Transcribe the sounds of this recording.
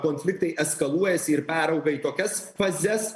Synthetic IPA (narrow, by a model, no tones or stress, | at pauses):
koːnʲfʲlʲɪk̚t̪ɐɪɛskɐlˠuɔjɛsʲɪɪɾpʲæːɾɐʊɡɐiːt̪oːkʲɛsfɐzʲɛs